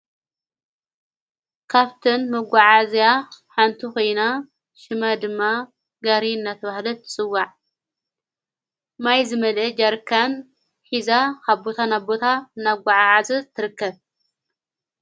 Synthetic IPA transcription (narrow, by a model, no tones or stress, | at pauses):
kʰaβt̪ʰɨnmɐɡʷaʕazijaħant̪ʰikojna | ʃɨmad̪ɨmːa | ɡaɾiɨnːat̪ʰɐβahlɐt̪ʰɨ̥t͡sʼɨwːaʕ | majzɨmɐlɐd͡ʒaɾkʰan | ħizakaβbot̪ʰanabot̪ʰanaɡʷaʕaʕazɨzt̪ʰːɨɾɨkːɐβ